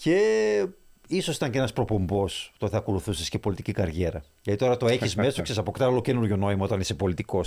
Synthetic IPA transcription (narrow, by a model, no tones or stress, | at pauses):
ce | isosit̪ɐɲceenɐspɾo̞po̞mbo̞st̪oθeɐko̞luθusiscepo̞lit̪icikɐɾʝe̞ɾɐ | ʝɐt̪it̪o̞ɾɐt̪oe̞çizmmest̪oksesɐpokt̪ɐllocenuɾʝono̞imɐo̞t̪ɐnisepo̞lit̪iko̞s